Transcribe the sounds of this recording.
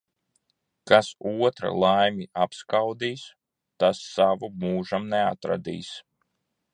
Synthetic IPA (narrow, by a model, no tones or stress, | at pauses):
kasuɔt̪ɾa̰lˠajmiapskawd̪iːs | t̪asːavumuːʒamnɛa̰t̪ɾa̰d̪ḭːs